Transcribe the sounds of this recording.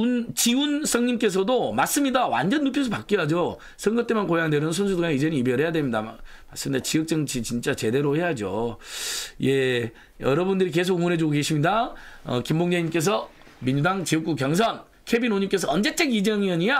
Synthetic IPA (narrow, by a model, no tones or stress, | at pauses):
nt͡ɕiuns͈ʰʌŋɲimk͈e̞s̬ʰʌdomaɭs͈ɯmɲidawa̰nd͡ʑʌnːupʰjʌs̬ʰupak͈̚iɦad͡ʑo | sʰʌŋɡʌt͈emankojaŋneɾʌnns̬ʰunsʰudoŋeid͡ʑe̞niibjʌɾɦe̞jadwemɲida̰m | maɭs͈ɯmɲidat͡ɕiʌk̚t͡ɕ͈ʌŋt͡ɕʰit͡ɕint͡ɕ͈at͡ɕe̞de̞ɾohe̞jad͡ʑo | je̞ | jʌɾʌbundɯɾik̬e̞s̬ʰoɡumonɦe̞d͡ʑoɡoke̞ɕʰimɲidaʌ̰kimboŋɲeɲimk͈e̞s̬ʰʌ | miɲd͡ʑudaŋt͡ɕiʌk͈ukjʌŋs̬ʰʌn | kʰebinoɲimk͈e̞s̬ʰʌʌnd͡ʑet͡ɕ͈eɡid͡ʑʌŋiʌɲia